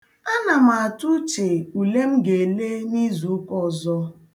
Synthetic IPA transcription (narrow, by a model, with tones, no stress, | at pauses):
a˦na˨m˦˨a˨tu˦t͡ʃe˨u˨le˦m̩˦ɡe˨le˦ni˦zu˨˦kɔ˦zɔ˦